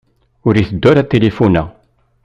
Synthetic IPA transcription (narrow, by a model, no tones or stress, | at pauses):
ʊɾiθəd̪ːɔɾæt̪ːelefunæ̰